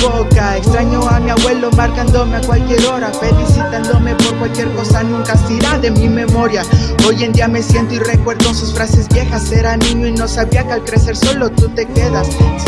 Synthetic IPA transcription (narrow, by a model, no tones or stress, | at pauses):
bokaekst̪ɾaɲoamiaβwe̞lo̞maɾkand̪o̞meakwalkje̞ɾo̞ɾafe̞lisit̪and̪ome̞po̞ɾkwalkje̞ɾko̞sanũŋkasiɾaðe̞mime̞mo̞ɾjao̞je̞nd̪iame̞sje̞nt̪oire̞kwe̞ɾðonsusfɾase̞zβje̞xase̞ɾanĩɲoino̞saβiakalkɾe̞se̞ɾso̞lo̞t̪ut̪e̞ke̞ðas